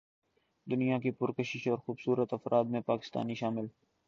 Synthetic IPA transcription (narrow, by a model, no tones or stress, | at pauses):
d̪ʊnijakipʊɾkəʃɪʃɔːɾxuːbsuːɾət̪ɐfɾʔaːd̪mẽpaːkɪ̥st̪a̰ːniʃaːmɪl